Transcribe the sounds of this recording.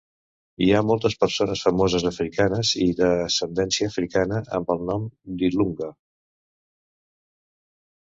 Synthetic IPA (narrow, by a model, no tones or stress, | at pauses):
iamɔlˠt̪əspəɾsonəsfəmɔzəzəfɾikanəziðəsənd̪ɛnsiəːfɾikanəʔə̰mbəlˠnɔmd̪iluŋɡə